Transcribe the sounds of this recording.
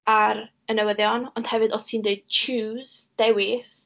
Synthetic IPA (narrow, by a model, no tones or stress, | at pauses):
aɾ | ənəwəðjɔnɔnd̥hɛvɨdɔstʰiːndeɨd̥̚t͡ʃʰuːðd̥ɛwɪθ